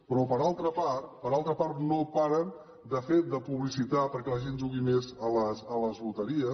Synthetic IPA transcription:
pɾɔpəɾalˠt̪ɾəpat̪pəɾalˠt̪ɾəpaɾt̪nopaɾən | d̪əfet̪̚d̪əpuβlisit̪apəɾkɛləʒenʒuɣimezələsələzβut̪əɾiə

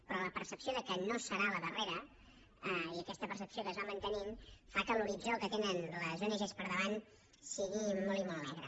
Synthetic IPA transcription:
pɾɔləpəɾsəpsijoðəkənosəɾaləðəreɾə | iəkɛst̪əpəɾsəpsiokəzβamənt̪ənimfakəluɾid͡zokət̪enənləzonəʒespəɾðəβan | siɣimɔlˠimɔlˠːɛɣɾə̰

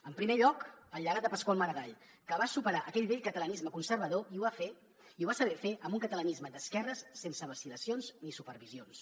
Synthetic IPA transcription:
əmpɾimeʎɔkəlːəɣat̪̚d̪əpəskwalˠməɾəɣaʎ | kəβasupəɾaʔəkɛʎβeʎkət̪ələnizməkunsəɾβəðoiuβafe | iuβasəβ̞ɛfeʔəmbuŋkət̪ələnizməd̪əskɛrəsːensəβəsiləsionznisupəɾβizions

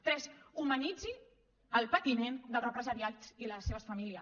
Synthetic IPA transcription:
t̪ɾɛzumənid͡zi | əlˠpət̪imend̪əlˠzrəpɾəzəɾiat͡siləseβəsfəmiliə

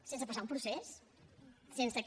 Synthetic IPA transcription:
sens̬əpəsaumpɾuses | sensək

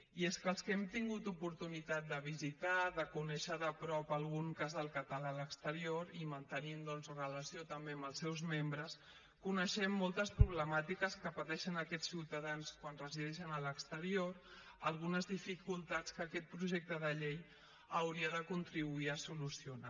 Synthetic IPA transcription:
ieskəlˠskɛmt̪iŋɡut̪upuɾt̪unit̪at̪̚d̪əβ̞izit̪aðəkunɛʃəðəpɾɔpəlˠɣuŋkazðəlˠkət̪əlaləkst̪əɾioɾimənt̪ənind̪ɔnzrələsiot̪əmbembəlˠsɛwzmembɾəs | kunəʃɛmːɔlˠt̪əspɾuβləmat̪ikəskəpət̪ɛʃənəkɛt͡sːiwt̪əðanskwanrəziðɛʃənələkst̪əɾioɾ | əlˠɣunəzðifikulˠt̪at͡skəkɛt̪̚pɾuʒɛk̚t̪əðəʎej | əwɾiəðəkunt̪ɾiβuiəsulusiuna

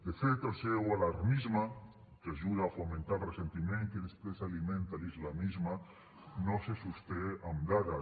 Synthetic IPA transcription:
d̪efet̪elsewalaɾmizma | keaʒuðaːfomẽnt̪alresent̪imẽŋkeðespɾesalimẽnt̪alizlamizma | nosesust̪eamɡ̪aða

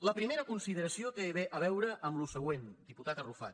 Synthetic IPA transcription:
ləpɾimeɾəkunsiðəɾəsiot̪eβeʔəβɛwɾəʔəmlusəɣ̞wend̪iput̪at̪ərufa̰t̪

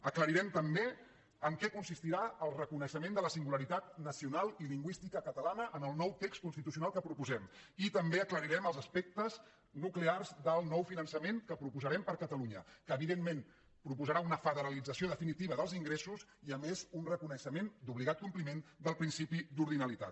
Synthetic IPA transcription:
əkləɾiɾɛmt̪əmbe | əŋkɛkunsist̪iɾaəlˠrəkunəʃəmẽnd̪ələsiŋɡuləɾit̪at̪nəsiunalˠiliŋɡwist̪ikəkət̪əlanəʔənəlˠnɔwt̪ekst̪̚kunst̪it̪us̬iunalˠkəpɾupuzɛmit̪əmbeəkləɾiɾɛməlˠzəspek̚t̪əz | nuklearzðəlˠnɔwfinənsəmenkəpɾupuzəɾɛmpəɾkət̪əluɲə̰kəːβiðemːen | pɾupuzəɾaunəfəðəɾəlid͡zəsioðəfinit̪iβəðəlˠziŋɡɾesusiəmezunrəkunəʃəmend̪uβliɣat̪̚kumplimend̪əlˠpɾinsipid̪uɾðinəlit̪a̰t̪̚

